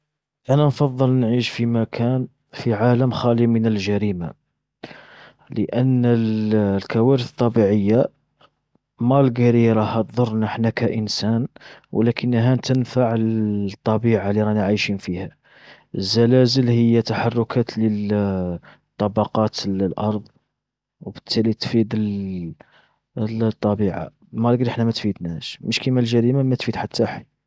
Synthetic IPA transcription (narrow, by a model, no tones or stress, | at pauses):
ʔænænfɑðˤːəlnʕiʃfimækʰæn | fiʕaləmxælimənəlʒæɾima | ləʔənː | lkæwæɾəθə̥t̪ˤːɑbiʕəjːa | mælɡæɾiɾˤɑhæt̪d̪ˤʊrˤnəħnækæʔənsænwə̰lækʰənːɦænt̪ənfaʕəlt̪ˤːɑbiʕaliɾˤɑnaʕajʃinfihæ | zːælæzəlhəjːæt̪aħɑrˤːʊkʰæt̪lə | t̪ˤːɑbɑqɑt̪lʔɑɾˤðˤ | wbət̪ʰːælit̪fid̪əl | t̪ˤːɑbiʕa̰ | mæɾˤɡɾiəħnæmæt̪fid̪næʃməʃkimælʒæɾimamæt̪fid̪ħat̪ʰːaħi